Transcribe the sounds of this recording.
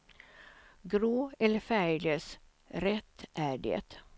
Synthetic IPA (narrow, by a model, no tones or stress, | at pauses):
ɡɾoːɛləfæɪləs | ɾɛt̪ʔæːɖḛt̪